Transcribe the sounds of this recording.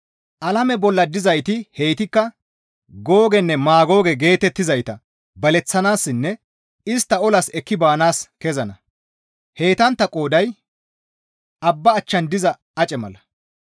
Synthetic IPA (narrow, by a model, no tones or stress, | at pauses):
ʔɐlɐmɛbɔlːɐd̪ɪzɐjt̪ɪhejt̪ɪkːɐ | ɡo̞ːɡɛnːɛmaːɡo̞ːɡɛɡe̞ːt̪ɛt̪ːɪzɐjt̪ɐ | bɐlɛt͡sːɐnaːsːɪnːɛ | ɪst̪ːɐɔlɐsɛkːɪbaːnaːskɛzɐnɐ | he̞ːt̪ɐnt̪ːɐkʼo̞ːd̪ɐj | ʔɐbːɐːt͡ʃːɐnd̪ɪzɐ | ɐt͡ʃʼɛmɐ̰lɐ